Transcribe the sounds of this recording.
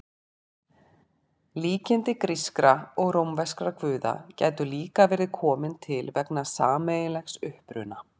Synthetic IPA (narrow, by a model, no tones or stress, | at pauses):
liːcɪnt̪ɪkɾiskɾaɔɣrowmvɛskɾakvʏːða̰ca̰ːjt̪ʏliːkavɛːɾðɪðkʰɔːmɪnt̪ʰɪlvɛknasaːmejɪlɛxsʏhpɾʏ̰na